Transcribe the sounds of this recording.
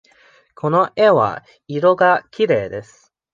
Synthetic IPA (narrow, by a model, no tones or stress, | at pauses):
kʰo̞no̞ʔeβa̰ | iɾo̞ɡakʲiɾe̞ːd̪e̞sɨ̥